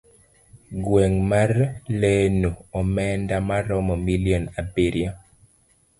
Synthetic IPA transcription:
ɡweŋmarlenuɔmɛndamaɾɔmɔmiliɔnapiɾja

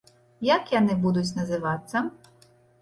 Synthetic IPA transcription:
jɐkjanɪbud̪ʊt͡sʲnɐzɪʋɑt͡ssʲɐ

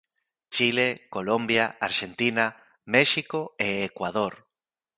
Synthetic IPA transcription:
t͡ʃilekolombjaaɾʃent̪ina | meʃikoeːkwaðoɾ

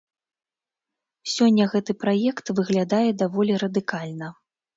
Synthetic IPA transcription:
sʲɔnʲːɐɣɛt̪ɨpɾajɛkt̪vɨɣlʲad̪ajɛd̪avɔlʲiɾɐd̪ɨkalʲnɐ

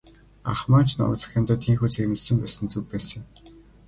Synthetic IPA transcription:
a̰χmaːt͡ɕʰna̰t͡sə̥̆xʲaːnt̪ăːt̪ʰiːŋxuːt͡sʰeɾmɘ̆ɮsɘ̆mpæːsɘ̆nt͡sukpæːsɘ̆ŋ

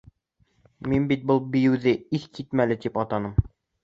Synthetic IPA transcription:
minbit̪̚bɤlˠbĭjɘ̆wðɘiθkʰit̪mælɘt̪ipɑt̪ɑnɤm

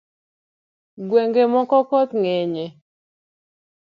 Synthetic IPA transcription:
ɡweŋɡemɔkɔkɔt̪ŋeɲe

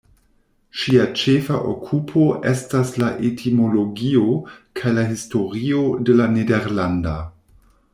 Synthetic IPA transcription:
ʃiat͡ʃefaʔo̰kʰupʰo̞ʔe̞staslaʔetʰimo̞lo̞ɡio̞kʰajlaɦisto̞ɾio̞de̞lanedeɾlanda

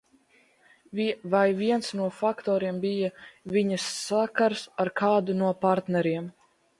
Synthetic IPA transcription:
vvajviɛnsnuɔfakt̪ɔːɾiɛmbijaviɲɐsːakaɾsaɾkʰaːd̪unuɔpaɾt̪nɛɾiɛm

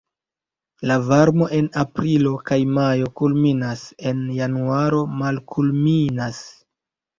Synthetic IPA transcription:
lavaɾmo̞ʔe̞napɾilo̞kajmajo̞kulminase̞njanuaɾo̞malkʰulminas

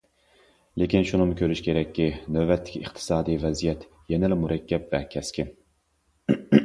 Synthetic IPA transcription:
lekʲinʃunɨmkʲʰøɾyʃkʲʰeɾɛkʲːinøbɛt̪ʰːɪ̥kʲəχt̪ʰɨ̥sɑːd̪ijvɛzijɛt̪ | jɛnɪlɪmuɾɛkʲːɛp̚vɛkʲʰɛskʲʰi

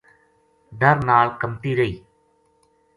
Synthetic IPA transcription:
ɖəɾnaːɭkəmt̪iːɾəiː

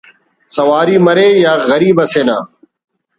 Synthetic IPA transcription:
sɐʋaːɾiːməɾeːjaːɣəɾiːbəseːnaː

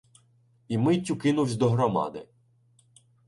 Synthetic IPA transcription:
imɪtʲːʊkɪnʊwsʲd̪ɔɦɾɔmɑ̰d̪ɪ̰

